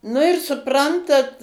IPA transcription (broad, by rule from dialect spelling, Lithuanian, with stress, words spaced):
nʊ ɪr sʊˈprɐntɐt